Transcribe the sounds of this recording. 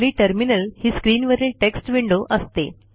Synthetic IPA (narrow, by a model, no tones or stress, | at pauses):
liːʈəɾminəlhiːskɾiːnʋəɾilʈeksʈʋiɳɖoʔəst̪e